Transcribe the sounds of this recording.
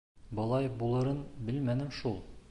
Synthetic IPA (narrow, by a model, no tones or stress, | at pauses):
bɤ̆lˠɑjbulˠɤ̆ɾɤnbɘlmænɘmʃulˠ